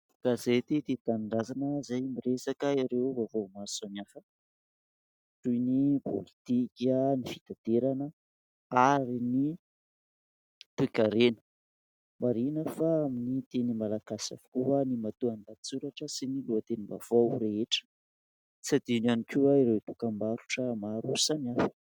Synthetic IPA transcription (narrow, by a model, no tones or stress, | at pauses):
kazet̪et̪et̪anɳɖ͡ʐazanəzajmiresakaiɾewvavomasanafə | tujnipʰo̰lit̪ikʲanifit̪at̪eɾanə | aɾini | t̪ekaɾenə̥ | maɾinəfaːminit̪enimalakasa̰vu̥kuɦanimat̪uand̪at͡suɾaʈ͡ʂəsiniluat̪eniba̰v̥owɾeeʈ͡ʂə̥ | t͡sad̪inanikʲuwaiɾewt̪ukambaɾuʈ͡ʂəmaɾusamiafə̥